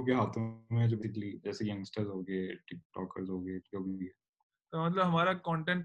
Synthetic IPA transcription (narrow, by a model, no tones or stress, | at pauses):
keɦaːt̪ʰõmẽɦɛd͡ʒoːbeːɪklid͡ʒɛːsejɐ̃ŋɡsʈəɾzɦoːɡəeʈɪk̚ʈɔ̰ːkə̰ɾzɦoːɡəed͡ʒoːbʱiɦɛ | t̪omɐt̪̬ləbɦɐmaːɾakɔ̃ːɳʈẽːɳʈ